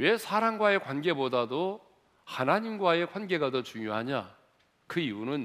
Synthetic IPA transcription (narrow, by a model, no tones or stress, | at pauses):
we̞sʰaɾaŋɡwae̞kwanɡe̞bodado | hanaɲimɡwae̞kʰwanɡe̞ɡadot͡ɕuŋjoɦaɲa | kɯiunɯn